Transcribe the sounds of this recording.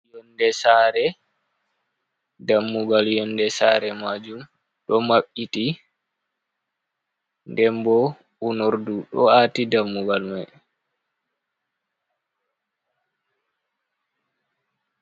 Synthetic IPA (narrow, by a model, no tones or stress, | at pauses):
jɔndɛsaːɾɛ | damːuɡaljɔndɛsaɾɛmad͡ʒum | ɗɔmaɓiti | ndɛmbɔ | unoɾduɗɔ̰atidamːuɡalmaj